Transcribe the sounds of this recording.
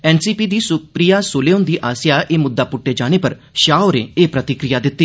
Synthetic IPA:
ɛːnsiːpiːd̪iːsʊpɾijasoːleõnd̪iːʔaːsɪjaʔeːmʊd̪ːapʊʈːed͡ʒaːɽ̃epəɾ | ʃaːoɾḛ̃eːpɾət̪ɪkɾɪjad̪ɪt̪ːiː

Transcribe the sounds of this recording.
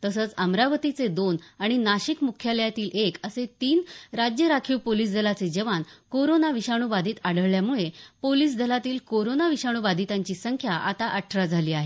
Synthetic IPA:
t̪əsət͡səmɾaʋət̪it͡sed̪onaɽ̃inaɕikmukʰjaljat̪iːlekəset̪iːnɾad͡ʑjəɾakʰiːwpoliːsd͡z̪ʱəlat͡sed͡ʑəʋankoɾonaʋiɕaɽ̃ubad̪ʱiːt̪aɽ̤əɭljamuɭepoliːs̬d͡z̪ʱəlat̪iːlkoɾonaʋiɕaɽ̃ubad̪ʱit̪aɲt͡ɕiːsəŋkʰjaʔat̪aʔəʈʰːɾad͡zʱaliːaɦe

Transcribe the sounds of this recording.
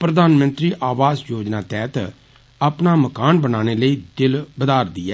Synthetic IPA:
pɾəd̪aːnmə̃nt̪ɾiːʔaːʋaːzjoːd͡ʒnaːt̪ɛːt̪ə | apnaːməkaːnbənaːneːləiːd̪ɪlbəd̪aːɾd̪ɪːɛː

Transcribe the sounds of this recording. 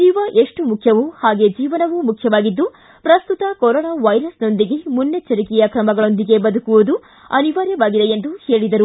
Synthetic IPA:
iːʋɐʔe̞ʂʈumukʰjɐʋuhaːɡe̞d͡ʒiːʋɐnɐʋumukʰjɐʋaːɡid̪ːu | pɾɐst̪ut̪ɐkɔɾɔːnaːʋɐjɾɐsno̞nd̪iɡe̞munːjet͡ʃɐɾikɛjɐkɾɐmɐɡɐɭo̞nd̪iɡe̞bɐd̪ukuʋud̪u | ɐniʋaːɾjɐʋaːɡid̪e̞end̪uhe̞ːɭid̪ɐɾu

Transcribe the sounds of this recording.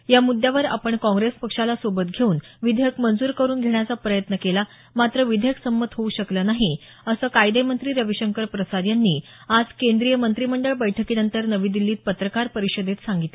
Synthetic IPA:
jamud̪ʱːjaʋəɾa̰pəɳkɔ̃ŋɡɾespəkʂalasobət̪ɡʱeuːnʋid̪ʱəjəkmənd͡zuːɾkəɾuːnɡʱeɳjat͡sapɾəjət̪nəkela | mat̪ɾəʋid̪ʱəjəksəmːət̪ɦouɕəklənaɦi | əsəːkajd̪emənt̪ɾiːɾəʋiɕəŋkəɾpɾəsaɾjanːiː | ad͡zkend̪ɾijəmənt̪ɾiməɳɖəɭbəjʈʰəkiːnənt̪əɾnəʋiːd̪ilːiːt̪̚pət̪ɾəkaɾpəɾiɕəd̪et̪saŋɡit̪le

